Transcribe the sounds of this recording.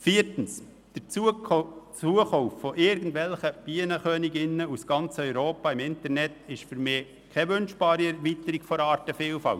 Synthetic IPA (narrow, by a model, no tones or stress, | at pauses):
fiːɾtn̩s | d̥ə | t͡suəχoʊffoʔɪɾɡəndʋɛlχəb̥iənəχøːnɪɡɪnːəusɡ̥ɑnt͡səœʏɾoːpɑɪmɪntəɾnɛtɪʃfʏɾmɪː | kʰɛʋønʃb̥ɑːɾiɛɾʋit̪əɾiɡfɔɾɑːɾtəfiːlfɑ̰lt